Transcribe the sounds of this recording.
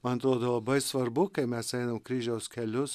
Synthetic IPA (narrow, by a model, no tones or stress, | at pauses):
mɐnɐt̪ɾoːd̪oːlˠɐbɐɪsʋɐɾbʊkɐɪmʲɛsɛɪnɐmkɾʲiːʒʲɛʊskʲɛlʲʊs